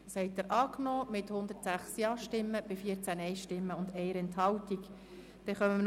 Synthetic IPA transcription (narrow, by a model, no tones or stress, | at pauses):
shɛɪtəɾʔɑːknɔːmɪt̪hʊnd̪əɾtsæχsjɑːʃtɪmːəb̥ɪfiːəɾt͡sænɛɪʃtɪmːəʊnd̪ɛɪəɾɛnthɑwt̪ik | d̥ɛχœməm